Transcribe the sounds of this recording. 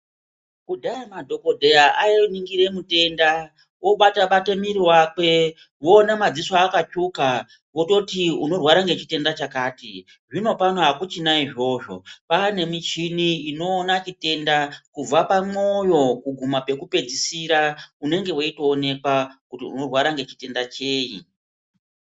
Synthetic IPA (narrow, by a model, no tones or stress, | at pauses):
kudʱaamadʱo̞ko̞dʱejaajeniŋɡiɾe̞mute̞nda | wo̞ɓataɓatemiɾiwakwe̞ | wo̞ːnamad͡ziswaːkat͡ʃuka | wo̞to̞tiuno̞rwaɾaŋɡe̞t͡ʃite̞ndat͡ʃakaːti | ʐino̞panoɦakut͡ʃinaiʐo̞ʐo̞pane̞mit͡ʃiniino̞ːnat͡ʃite̞ndakub͡vapamo̞jo̞kuɡʱumape̞kupe̞d͡zisiɾaune̞ŋɡe̞woito̞ːne̞kwakutḭṵno̞rwaɾaŋɡe̞t͡ʃi̥te̞ndat͡ʃe̞ːḭ